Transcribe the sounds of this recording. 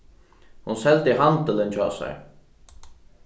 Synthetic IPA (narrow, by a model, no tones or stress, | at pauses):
hunsɛlt̪ɪɦant̪əlɪnt͡ɕʰa̰ːsæ̰j